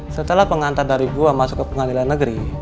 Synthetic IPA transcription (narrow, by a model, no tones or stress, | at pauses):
sət̪əlahpəŋant̪ardaɾiɡuamasʊ̥kːəpəŋadilanːəɡəɾi